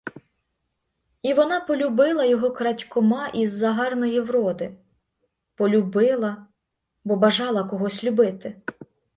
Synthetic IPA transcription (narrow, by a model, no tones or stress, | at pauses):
iʋɔnɑpɔlʲubɪlˠɐjɔɦɔkɾɐtʲkɔmɑʔizːɐɦɑrnɔjiwɾɔd̪ɪ | pɔlʲʊbɪlˠɐ | bɔbɐʒɑlˠɐkɔɦɔsʲlʲʊbɪt̪ɪ